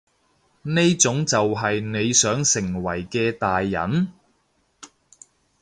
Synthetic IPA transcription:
ne˥jt͡sʊ˨˥ŋt͡sɐ˨wɦɐ˨jne˨˧jsœː˨˥ŋsɪ˨˩ŋwɐ˨˩jkɛː˧t̪aː˨jːɐ̰˨˥n

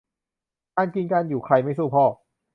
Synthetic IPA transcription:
kaː˧nki˧nkaː˧njuː˨˩kʰa˧jma˥˩jsuː˥˩pʰɔː˧˥˩

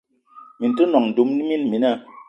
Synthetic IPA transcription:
mi˨n˦tɨ˦nɔ˨ŋn̩˨du˨˦mni˦mi˦nmi˨nɛ˦˨

